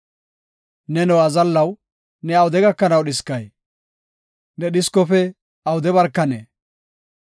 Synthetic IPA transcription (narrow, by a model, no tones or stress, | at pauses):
nɛnɔɐzɐlːɐw | nɛɐwʊd̪ɛɡɐkːɐnɐwɗɪskːɐj | nɛɗɪskɔfɛ | ɐwʊd̪ɛβɐɾkːɐnḛ